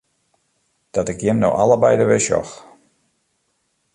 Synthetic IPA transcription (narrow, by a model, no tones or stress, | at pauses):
d̥ɔtɪkjɪmno̰wʔaləbɛjdəʋɪʃɔ̰x